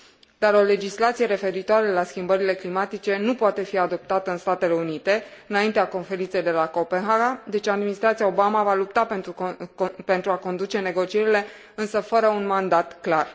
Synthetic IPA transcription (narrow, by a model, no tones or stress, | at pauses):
d̪aɾo̞le̞d͡ʒislat̪sije̞ɾe̞fe̞ɾit̪oaɾelaskʲimbəɾile̞klimat̪it͡ʃe̞nupoat̪e̞fiad̪o̞p̚t̪at̪əɨnst̪at̪e̞le̞unit̪e̞ɨnaint̪eako̞nfe̞ɾint̪se̞jd̪e̞lako̞pe̞nɦaɡad̪e̞t͡ʃad̪minist̪ɾat̪sijaobamavalupt̪ape | pe̞nt̪ɾuako̞nd̪ut͡ʃe̞ne̞ɡo̞t͡ʃie̞ɾile̞ | ɨnsəfəɾəunmand̪at̪klar